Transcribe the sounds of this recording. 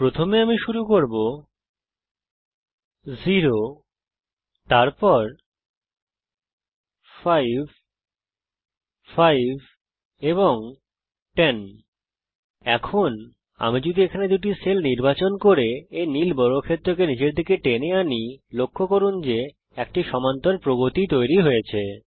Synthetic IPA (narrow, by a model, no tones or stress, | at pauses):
pɾot̪ʰomeamiʃuɾukoɾbo | ziɾo | t̪aɾpɔɾ | fajbʱ | fajbʱ | eboŋ | ʈen | ɛkʰon | a̰mid͡ʑud̪ʱiekʰaned̪uʈ̬iselniɾbat͡ɕonkoɾeenilbɔɾokʰet̪ːɾok̬enid͡ʑeɾd̪ʱikeʈeneanilokʰːokoɾund͡ʑe | ɛk̚ʈiʃɔmant̪oɾpɾobot̪it̪ojɾiɦojet͡ɕʰe